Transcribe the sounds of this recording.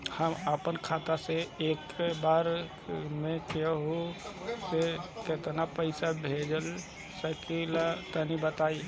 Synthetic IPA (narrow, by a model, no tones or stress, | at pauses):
həməpənkʰat̪aseekbaɾ | mẽkɛɦoseket̪napəɪsabʱed͡ʒəl | səkilat̪ənibət̪ai